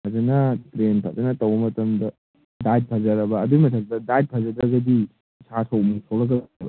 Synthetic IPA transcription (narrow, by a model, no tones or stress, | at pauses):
pʰɐzɐnɐtɾenpʰazɐnɐtɐwbɐmɐtɐmdɐ | dajt̚pʰazɐɾɐbɐːduimɐtʰɐk̚dɐdajt̚pʰɐzɐdɾɐɡɐdi | sasʰowmisʰowɾɐɡɐlaɐbɐ̰